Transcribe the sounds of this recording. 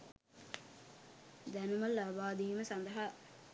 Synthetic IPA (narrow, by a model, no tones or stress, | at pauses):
d̪ænumɐlːɐbaːd̪iːməsɐnd̪ɐɦa